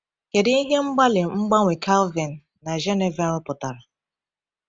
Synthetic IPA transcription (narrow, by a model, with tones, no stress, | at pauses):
ke˨di˦i˦ɦe˦ŋ͡m̩˦ɡ͡ba˦lɪ˨ŋ͡m̩˦ɡ͡ba˦ŋʷe˨kʰa˦lvi˨nː | a˨ʒe˦ne˨va˨lpʊ˨ta˨ɾa˨